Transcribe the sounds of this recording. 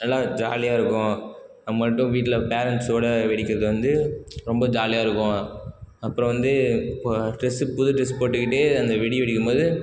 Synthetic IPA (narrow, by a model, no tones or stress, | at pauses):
nɐlːaːd͡ʒa̰ːlɪjaːɪɾɯkːʊ̃ | ɐmɐʈːʊ̃ʋiːʈːɪlɐpeːɾɐɳʈsoːɽɐʋɛɽɪkːɪɾɐðɯʋɐnd̪ɯɾɔmbɐd͡ʒaːlɪjaːɪɾɯkːʊ̃ | ɐpːɯɾɔ̃ʋɐnd̪ɯpːʈɾɛsɯpʊðɯʈɾɛspoːʈːɯkːɪʈːeɐnd̪ɐʋɪɽɪjʋɛɽɪkːɯmboːðɯ